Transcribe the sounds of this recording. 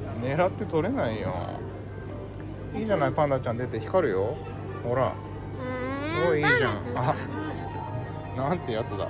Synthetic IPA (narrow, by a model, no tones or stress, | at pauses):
ne̞ɾat̪ːe̞t̪o̞ɾe̞naijõ̰ | iːʑanaipãnd̪at͡ɕãnd̪et̪e̞çi̥kaɾɯ̟jo | ho̞ɾa̰ | ɡoiːʑãŋa | nãnt̪ːejat͡sɨd̪a̰